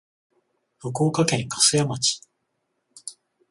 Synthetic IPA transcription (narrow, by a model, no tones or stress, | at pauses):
hokoːkakẽ̞ŋkḁsɨjamat͡ɕi̥